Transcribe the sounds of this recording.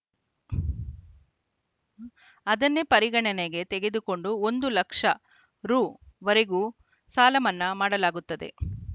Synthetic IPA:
ɐd̪ɐnːepɐɾiɡɐɳɐneɡe̞t̪eɡe̞d̪uko̞ɳɖuond̪ulɐkʂɐ | ɾuːʋɐɾeɡu | saːlɐmɐnːɐmaːɽɐlaːɡut̪ːɐd̪e̞̰

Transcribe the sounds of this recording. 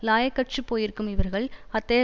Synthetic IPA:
laːjɐkːɐʈt͡ʃɯpːoːjɪɾɯkːɯmɪʋɐɾɣɐɭɐt̪ːɐː

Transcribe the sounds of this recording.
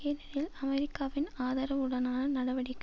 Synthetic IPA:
eːlɐɾjɪlɐmɛɾɪkːaːʋɪnaːðɐɾɐʋɯɽɐnaːnɐnɐɽɐʋɐɽɪkː

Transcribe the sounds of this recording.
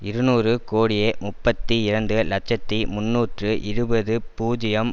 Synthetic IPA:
ɪɾɯnuːrɯkoːɽɪjeːmʊpːɐt̪ːiɪrɐnd̪ɯlɐt͡ʃɐt̪ːimʊnːuːʈrɯʔɪɾɯbɐðɯpuːd͡ʒɪjɐm

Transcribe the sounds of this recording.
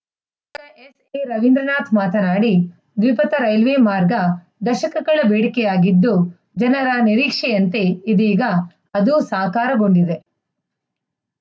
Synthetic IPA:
kɐʔes | eɾɐʋind̪ɾɐnaːt̪ʰmaːt̪ɐnaːɽi | d̪ʋipɐt̪ɐɾɐjlʋeːmaːɾɡɐ | d̪ɐʃɐkɐɡɐɭɐbeːɽikɛjaːɡid̪ːu | d͡ʒɐnɐɾɐniɾiːkʂɛjɐnt̪eid̪iːɡɐ | ɐd̪usaːkaːɾɐɡo̞ɳɖid̪e̞

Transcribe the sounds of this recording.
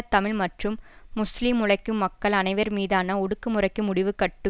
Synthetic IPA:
t̪ːɐmɪɭmɐʈrɯmːʊslimʊɻɐɪkːɯmːɐkːɐɭɐnɐɪʋɐɾmiːðaːnɐɔɽɯkːɯmʊrɐɪkːɯmʊɽɪʋɯkːɐʈːɯ

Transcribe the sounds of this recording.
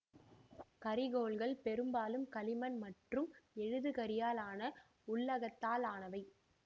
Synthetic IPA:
kɐɾɪɣoːɭɣɐɭpɛɾɯmbaːlɯmkɐlɪmɐnmɐʈrɯmɛɻɯðɯɣɐɾɪjaːlaːnɐ | ʊɭːɐɣɐt̪ːaːlaːnɐʋɐɪ

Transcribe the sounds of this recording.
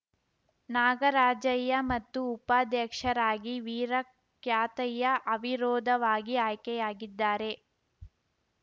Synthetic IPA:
naːɡɐɾaːd͡ʒɐjːɐmɐt̪ːuːpaːd̪jɛkʂɐɾaːɡiʋiːɾɐ | kjaːt̪ɐjːɐʔɐʋiɾɔːd̪ʱɐʋaːɡiaːjkɛjaːɡid̪ːaːɾe̞

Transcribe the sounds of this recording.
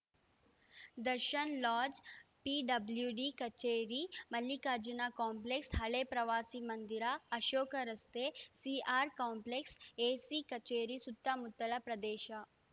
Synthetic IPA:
d̪ɐɾʃɐnlaːd͡ʒpiɖɐbljuɖikɐt͡ʃeːɾimɐlːikaːd͡ʒɐnaːkaːmpleksɦɐɭeːpɾɐʋaːsimɐnd̪iɾaɐʃoːkɐɾɐst̪eːsiaːɾkaːmplekseːsikɐt͡ʃeːɾisut̪ːamut̪ːɐlɐpɾɐd̪eːʃa

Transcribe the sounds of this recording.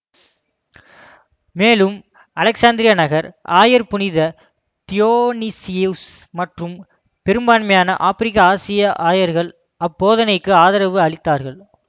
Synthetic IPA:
meːlɯm | ɐlɐksaːnd̪ɪɾɪjɐnɐɣɐɾaːjɐɾpʊnɪðɐ | t̪ɪjoːnisɪsmɐʈrɯm | pɛɾɯmbaːnmɐjaːnɐ̰ʔaːfɪɾɪkːɐaːsɪjɐʔaːjɐɾɣɐɭ | ɐpːoːðɐnɐɪkːɯaːðɐɾɐʋɯɐɭɪt̪ːaːɾɣɐɭ

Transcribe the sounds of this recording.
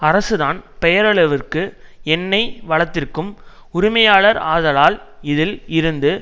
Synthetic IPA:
ɐɾɐsɯðaːnpɛjɐɾɐɭɐʋɪrkɯɛnːɐɪʋɐɭɐt̪ːɪrkɯm | ʊɾɪmɐjaːɭɐɾaːðɐlaːl | ɪðɪlɪɾɯnd̪ɯ

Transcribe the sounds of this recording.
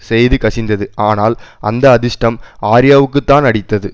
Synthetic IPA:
sɛjðɯkɐʂɪnd̪ɐðɯʔaːnaːlʔɐ̰nd̪ɐːðɪʂʈɐmaːɾɪjaːʋɯkːɯt̪ːaːnɐɽɪt̪ːɐðɯ

